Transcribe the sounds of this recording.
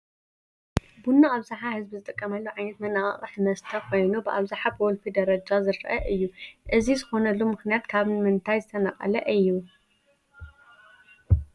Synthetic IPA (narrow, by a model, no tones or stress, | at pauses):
bunːaaβzaħahɨzbizɨt̪ʼɨkʼːɐmɐlːoʕajnɐt̪mɐnːaχʼɐ̰χʼɨħmɐst̪ʰɐkʰo̞jnubɨʔaβzaħabɔlfid̪ɐɾɐd͡ʒazɨɾɐʔɐʔɨjːuʔɨzizɨxo̞nɐlːumɨxnijat̪kʰaβmɨnt̪ʰajzɨt̪ʰɐnɐqʼɐ̰lɐ̰ʔɨjːu